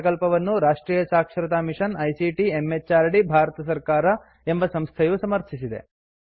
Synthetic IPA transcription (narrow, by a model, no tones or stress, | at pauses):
kɐlpɐʋɐnːuɾaːʂʈɾiːjɐsaːkʂɾɐt̪aːmiʂɐnɐjsiʈiemːet͡ʃaːɾɽibʱaːɾɐt̪ɐs̬ɐɾkaːɾɐ | embɐsɐmst̪ʰɐjusɐmɐɾt̪ʰisid̪e̞̰